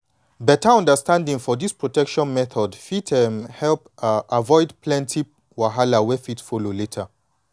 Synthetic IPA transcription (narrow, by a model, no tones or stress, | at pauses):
bɛtʰəɔ̃ndəstãndĩŋfɔdispɹotɛkʃɔ̃nmɛθʰɔdfitʰɛmhɛlpʔavɔɪdpʰlɛ̃ntʰi | waɦalawɛfitfololetʰə